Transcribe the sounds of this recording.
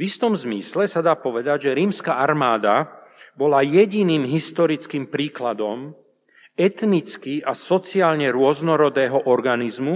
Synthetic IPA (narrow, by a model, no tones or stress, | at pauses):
vist̪ɔmzmislɛsad̪aːpɔʋɛd̪aɟʒɛɾiːmskaːʔaɾmaːd̪abɔlajɛɟiniːmɦist̪ɔɾit͡skiːmpɾiːklad̪ɔm | ɛt̪nit͡skiasɔt͡siaːlɲɛɾʊɔznɔɾɔd̪ɛːɦɔʔɔɾɡanizmu